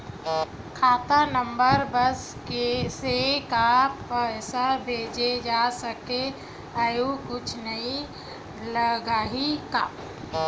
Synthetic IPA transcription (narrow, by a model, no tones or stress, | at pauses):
kʰaːt̪anəmbəɾbəs | kesekapəɪsabʱeːd͡ʒed͡ʒasəke | ajukʊt͡ʃʰnəĩ | ləɡaːɦika